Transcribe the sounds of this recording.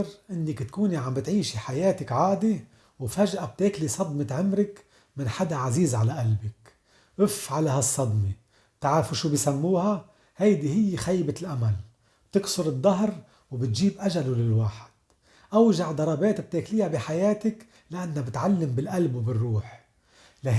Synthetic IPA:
ɾʔɪnːɪkt̪kuːniʕambɪt̪ʕiːʃiħajeːt̪ɪkʕaːd̪i | wfaʒʔab̚t̪eːklisˤɑd̪ˤmɪt̪ʕɪmɾɪk | mɪnħad̪aʕaziːzʕalaʔalbɪk | ʔʊfʕalahasˤːɑd̪mi | t̪aʕɾafuʃuːbjsamːuːha | hajd̪ihɪjːɪxajbɪlʔamal | bt̪ɪksʊɾɨd̪ˤːɑɦɾ | wbɪt̪ʒiːbʔaʒalulɪlwaːħɪ̥d̪̥ | ʔawʒaʕd̪ɑɾˤɑbeːt̪b̚t̪eːkliːhabiħajeːt̪ɪk | laʔanːhabɪt̪ʕalːɪmbɪlʔalbwbɪrːuːħ | la

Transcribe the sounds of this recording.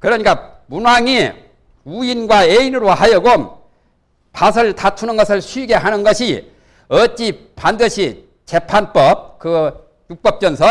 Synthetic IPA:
kɯɾʌɲik͈amunwaŋi | uinɡwaeinɯɾohajʌɡom | pas̬ʰɯɭtʰatʰunɯnɡʌsʰɯɭɕʰiɡe̞ɦanɯnɡʌɕʰi | ʌt͡ɕ͈i | pandɯɕʰi | t͡ɕe̞pʰanp͈ʌp̚kɯ | juk̚p͈ʌp̚t͡ɕ͈ʌnsʰʌ

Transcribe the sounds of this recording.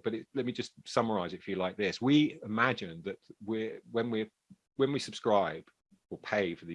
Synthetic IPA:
b̥ʌɾɪtlɛt̚mid͡ʒʌstsʌməɹaɪzɪtɪfjəlaɪk̚ðɪswiɪmad͡ʒɪ̃nðəʔwɪwə̃nwi | wə̃nwisəb̥skɹaɪb̥ | əpʰeɪfəðə

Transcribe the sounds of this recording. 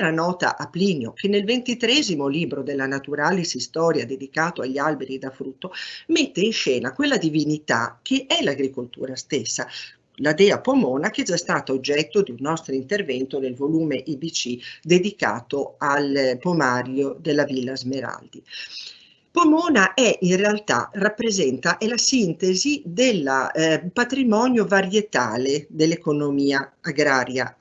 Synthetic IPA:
ɾanɔːt̪a̰ʔaplinjokenːelvent̪it̪ɾɛzimoliːbɾod̪elːanat̪uɾaːlisist̪ɔːɾjad̪ed̪ikaːt̪oaʎːalbeɾid̪afɾut̪ːomet̪ːeinʃɛːnakwelːad̪ivinit̪ak̟eʔɛlaɡɾikolt̪ṵːɾast̪esːa | lad̪ɛːapomɔːnak̟ɛd͡ʒːast̪aːt̪aod͡ʒːɛt̪ːod̪iunːɔst̪ɾoint̪ervɛnt̪od̪elvoluːmeʔibit͡ʃid̪ed̪ika̰ːt̪oalpomaɾjod̪elːavilːazmeɾa̰ld̪i | pomɔːnaʔɛʔinrealt̪a̰rapːɾezɛnt̪aʔelasint̪ezid̪elːapat̪ɾimɔːnjovaɾjet̪aːled̪elːekonomiːaːɡɾaːɾja

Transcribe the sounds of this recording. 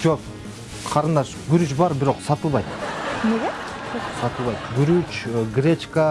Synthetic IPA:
d͡ʒop | qʰɑɾɯnd̪ɑʃ | ɡyɾyt͡ʃbɑɾbiɾo̞qsɑt̪ɯlˠβɑjt̪neɡe | sɑt̪ɯlˠβɑjt̪ɡyɾyt͡ʃɡrʲet͡ʃkə

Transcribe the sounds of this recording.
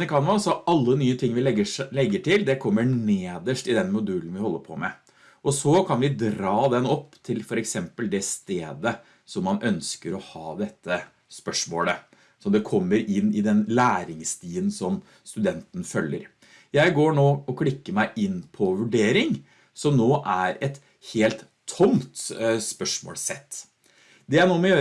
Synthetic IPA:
nɪkʰɑnəʋɑsɔɑlːənyːət̪ʰɪŋːʋɪlɛəlɛɡːəʈʰɪld̪ɛkʰɔmːəneːd̪əʂʈɪd̪ɛnmʊd̪ʉːln̩ʋɪhɔlːəpʰɔ̰mɛ̰ | ʔɔsɔkʰɑnʋɪd̪ɾɑːd̪ɛnɔpːt̪ʰɪlfɔɾɛksɛmpəld̪ɛst̪eːd̪ə | sɔmːɑnʔœnskəɾɔhɑːd̪ɛt̪ʰːə | spœʂmoːlə | sɔmd̪ɛkʰɔmːəɾɪnːɪd̪ɛnlæːɾɪŋst̪iːənsɔm | st̪ʉd̪ɛnt̪ən̩fœlːə̰ɾ | jæɪɡoːɳoːɔkʰlɪkːəmæɪʔɪnːpʰɔʋʉɖeːɾɪŋ | sɔmnoːʔæɾɛt̪ | heːlt̪ʰːʊmt̪spœʂmo̰ːlsɛt̪ː | d̪ɛænoːmɛjøː

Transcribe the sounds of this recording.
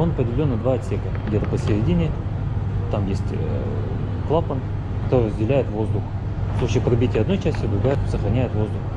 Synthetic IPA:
onɐpɪdʲɪlʲo̞nːəd̪vaɐt̪sʲekəɡdʲet̪əpəsʲɪɾʲɪdʲinʲɪ | t̪amjesʲtʲ | klˠapən | kɐt̪oɾʲɪrəzʲdʲɪlʲæjɪt̪vo̞zd̪ʊx | fslˠut͡ɕɪjpɾɐbʲitʲɪjəɐd̪no̞jt͡ɕæsʲtʲɪʊd̪ɾʊɡajɪt̪səxɾɐnʲæjɪt̪vo̞zd̪ʊx

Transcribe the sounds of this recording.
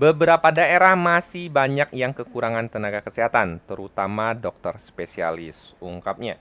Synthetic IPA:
bəbəɾapadaeɾahmasɪhbaɲak̚jaŋkəkuɾaŋant̪ənaɡakəsiɦat̪ant̪əɾut̪amadɔk̚t̪ərspesia̰lɪsuŋkap̚ɲa

